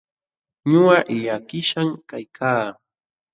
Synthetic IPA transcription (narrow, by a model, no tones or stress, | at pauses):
ɲʊaʔʎakɪʃaŋkajkʰaː